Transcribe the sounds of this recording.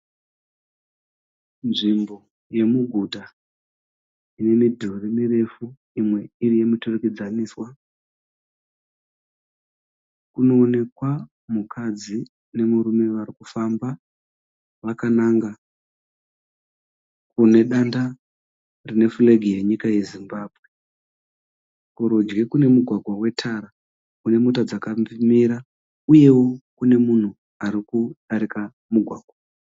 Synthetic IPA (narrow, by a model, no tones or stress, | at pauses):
nʐimbo | je̞muɡʱuta | ine̞midʱurimire̞fu | imwe̞irije̞mitoreked͡zaniːswa | kuno̞ːne̞kwa | mukʰad͡zi | ne̞muɾume̞ʋaɾikufamba | ʋakanaːŋɡa | kune̞ɗanda | rine̞fuleɡʱije̞ɲikaje̞zimbaːbʱwe | kuɾod͡ʒɡe̞kune̞muɡʱwaɡʱwawe̞tʰaɾa | kune̞mutad͡zakamimiɾa | uje̞wo̞kune̞mun̤u | aɾikuɗaɾika | muɡʱwaːɡʱwa